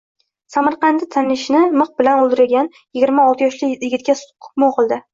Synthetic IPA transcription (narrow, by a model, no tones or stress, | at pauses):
samaɾqɑnd̪ɪt̪ʰanɪʃnɪmɨq̚bɪlanolˠd̪ɪɾɪɡʲan | jɪɡʲɪɾmaɒlˠt̪ʰɪjɒʃlɪjɪɡʲɪt̪̚kʲasqʰʊ̥pmoqʰɨlˠd̪ɪ